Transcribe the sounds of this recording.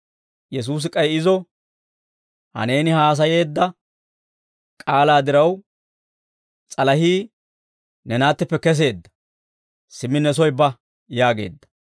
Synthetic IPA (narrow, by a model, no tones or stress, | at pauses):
jɛs̬uːs̬ɪkʼɐjɪzɔ | hɐ̰ne̞ːnɪhaːs̬ɐje̞ːd̪ːɐ | kʼaːlaːd̪ɪɾɐw | t͡sʼɐlɐhiː | nɛnaːt̪ːɪpːɛkɛs̬e̞ːd̪ːɐ | sɪmːɪnɛs̬ɔjbɐ | jaːɡe̞̰ːd̪ːɐ